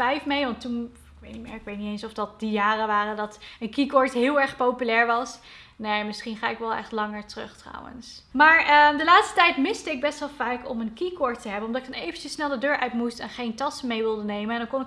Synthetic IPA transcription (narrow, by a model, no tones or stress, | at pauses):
ɛjfmejʋɑntːun | ɪkʋejtnimɪ̰ːɹɪkʋejtnitejnsɔfdɑt̚dijaːrəʋaːrədɑtənkikɔɹtɦɪːlˠɛɹχpowpylɛːɹʋɑs | nejmɪsχinχaːɪkʋɛlˠɛ̰χtlɑŋəɹtrɵ̰χtrɑ̰wə̰nsmaːɹədəlaːtstətɛjtmɪstəɪɡ̚bɛstʋɛlˠvaːkɔ̰mənkikɔɹtəɦɛbənɔmdɑtɪɡdɑnejvəncəsnɛlˠdədøːɹʔœɥtmustɛnχejntɑsəmejʋɪlˠdənejmənɛndɑnkɔnɪk